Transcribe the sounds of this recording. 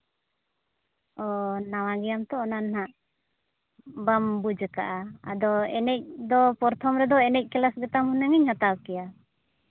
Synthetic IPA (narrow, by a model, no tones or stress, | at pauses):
ɔnawaɡɛjamt̪ɔɔnanɦaʔ | bambud͡ʒka̰ʔaa̰d̪ɔɛ̰nɛc̚d̪ɔpɔɾt̪ʰɔmɾɛd̪ɔɛnɛc̚kɛlasɡɛt̪amhunaŋiɲhat̪aw̚kɛja